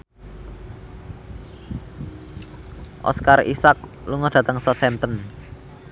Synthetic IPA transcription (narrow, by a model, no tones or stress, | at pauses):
ʔɔ̰skarḭsak̚luŋɔd̥ä̤t̪əŋsɔt̪ɛmt̪ən